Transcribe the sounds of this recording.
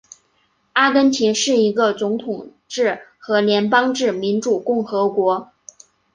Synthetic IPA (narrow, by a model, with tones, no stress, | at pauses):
a˥kə˥nt͡ɕʰi˧˥nʂɻ̩˥˩i˧˥ɡə˧t͡sʊ˧˥ŋt̪ʰʊ˨˩ŋ | ʈ͡ʂɻ̩˥˩xɤ˧˥ljɛ˧˥npɑ˥ŋʈ͡ʂɻ̩˥˩mi˧˥nʈ͡ʂu˨˩kʊ˥˩ŋxɤ˧˥kwɔ˧˥